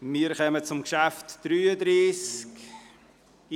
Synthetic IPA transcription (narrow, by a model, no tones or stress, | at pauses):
miːəɾxœmət͡sʊmkʃaftd̥ɾyːədɾiːsk